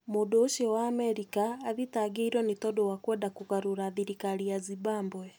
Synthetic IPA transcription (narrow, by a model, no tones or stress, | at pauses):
modoːʃɔwaːmɛɾikaːðitaɡeiɾwɔnetɔdowakwɛːdakuɣaɾuɾaðiɾikaɾiazibaːmbwɛ